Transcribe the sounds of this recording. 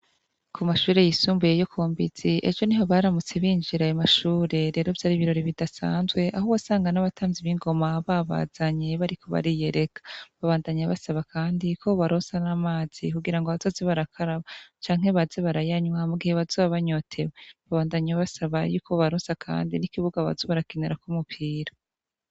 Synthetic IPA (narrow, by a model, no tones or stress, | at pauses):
kʰumaʃuːɾe̞jisuːmbujejo̞kʰoːmbiz̥iʔḛd͡ʒo̞niɦo̞βaːɾamut͡se̞βiːnd͡ʒiɾajomaʃuːɾe̞ɾe̞ːɾo̞vjaːɾiβiɾo̞ɾiβidasa̰ːnzɡwe̞ʔahuβwasaːŋɡanaβatʰaːnziβiŋɡo̞maβaβa̰ːz̥aɲe̞βaɾikʰo̞βa̰ɾije̞ɾe̞kḁβaβaːndaɲaβasaβakʰaːndikʰo̞βaɾoːsanamaːz̥ikuɡiɾaŋɡoβazozeβaɾakʰaɾaβat͡ʃaːŋ̥he̞βazeβaɾajaɲwamuɡiheβazoːβaβaɲo̞tʰe̞weβaβaːndaɲaβasaβajuːkʰoβaɾoːsakʰa̰ːndinikiβuɡaβa̰zoβaɾakineɾakumupʰiːɾa